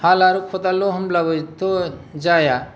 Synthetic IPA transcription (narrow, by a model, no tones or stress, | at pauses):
haːlaːɾukʰot̪aloɦəmlaʋət̪od͡ʒaja